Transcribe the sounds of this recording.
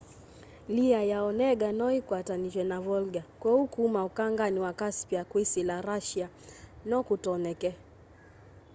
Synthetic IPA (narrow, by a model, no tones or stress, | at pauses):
liajaɔnɛɡanɔikwataniʒɛnavɔlɡakwaukumaukaŋɡaniwakaspiakwisilaɾaʃia | nɔkutɔnɛkɛ